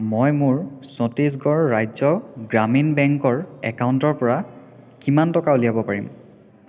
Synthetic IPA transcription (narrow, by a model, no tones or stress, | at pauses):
mojmʊɹsɔtis̬ɡɔɹːajzɔɡɹaminbɛŋkɔɹɛkauntɔɹpɔɹa | kimantɔkauliabɔpaɹḭm